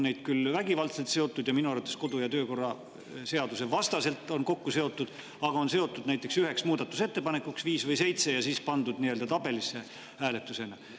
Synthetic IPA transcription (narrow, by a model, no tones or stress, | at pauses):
nːe̞jd̪̥̚kylvæɡivɑlt̪se̞lt̪seo̞t̪ˑːud̪jɑminuɑrvɑt̪esko̞d̪̥ujɑt̪ø̞ːko̞rːɑ | se̞ɑd̪use̞vɑst̪ɑse̞lt̪ːˑo̞nko̞kːuse̞o̞t̪ːud̪̥ | ɑɡ̥ɑo̞nse̞o̞t̪ːˑud̪̥næjt̪ːˑeksyɦe̞ksmuːd̪̥ɑt̪ːˑuse̞t̪ːe̞pɑne̞kuksviːsvɤjse̞jt̪se̞jɑsiːspɑnd̪ud̪̥nie̞ld̪̥ɑt̪ɑbe̞lisːe̞ | hæːle̞t̪ːˑuse̞nɑ